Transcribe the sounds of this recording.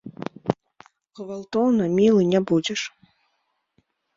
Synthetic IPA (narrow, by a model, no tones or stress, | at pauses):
ɣvalˠt̪ɔwnɐmʲilˠɨnʲabud͡zʲɛʂ